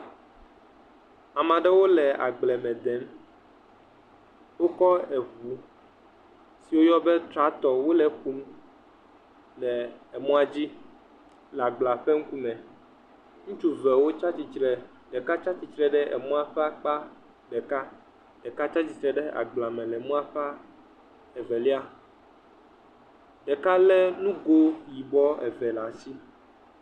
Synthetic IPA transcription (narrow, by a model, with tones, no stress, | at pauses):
a˨mã˨ɖɛ˦wo˦lɛ˨a̰˨ɡ͡blɛ˨mɛ̃˨d̪ɛ˨˦m | wo˦kɔ˦ɛ˨vu˨˦ | si˨wo˦jɔ˦bɛ˦t̪ɾa˦t̪ɔ˨wo˦lɛ˨xu˦m˦ | lɛ˨ɛ˨mɔ̃˦a˨d͡ʑi˦ | la˨ɡ͡bla˨ɸɛ˦ŋ̩˦ku˦mɛ̃˨ | ŋũ˦t͡ʃu˦vɛ˨wo˦t͡ʃa˦t͡ɕi˨t͡ʃɾɛ˨ | ɖɛ˨ka˦t͡ʃa˦t͡ɕi˨t͡ʃɾɛ˦ɖɛ˦ʔɛ̰˨mɔ̃˦a˨ɸɛ˦a˦˨k͡pa˦ | ɖɛ˨ka˦ | ɖ̥ɛ˨ka˦t͡ʃa˦t͡ɕi˦t̪ɾɛ˨ɖɛ˦a̰˨ɡ͡bla˨mɛ̃˨lɛ˨mɔ̃˦a˨ɸɛ˦a˦ | ɛ˨vɛ˨li˦a˦ | ɖ̥ɛ˨ka˦lɛ˦nũ˦ɡo˦ji˨bɔ˦ɛ˨vɛ˨la˨si˦